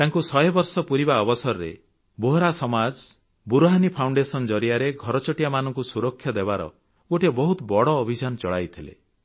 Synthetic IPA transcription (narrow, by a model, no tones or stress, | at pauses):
t̪aŋkusɔjbɔɾsɔpuɾibaɔbɔsɔɾɔɾḛ | boɦɾasɔmad͡ʒ | buɾoɦanipʰawɳɖesɔnd͡ʒɔɾijaɾeɡʱɔɾɔt͡ʃɔʈijamanɔŋkusuɾɔkʰːjɔd̪ebaɾɔ̰ | ɡoʈibɔɦut̪bɔɽɔːbʱid͡ʒanɔt͡ʃɔɭa̰jt̪ʰilḛ